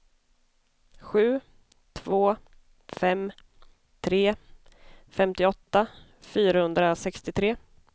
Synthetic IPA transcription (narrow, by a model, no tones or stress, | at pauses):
ɧʉ̟ː | t̪ʰvoː | fɛm | t̪ʰɾeː | fɛmt̪ɪɔt̪ːa | fyːɾahɵnd̪ɾasɛkst̪ɪt̪ʰɾeː